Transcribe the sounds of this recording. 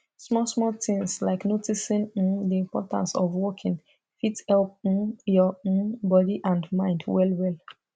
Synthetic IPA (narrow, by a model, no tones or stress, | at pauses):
smɔsmɔtĩŋslaɪknotisĩnĩndiĩmpɔ̰tã̰nsɔ̰vwɔkʰĩn | fithɛlp̚ĩnjɔõnbɔdiʔãndmãɪ̃ndwɛlwɛl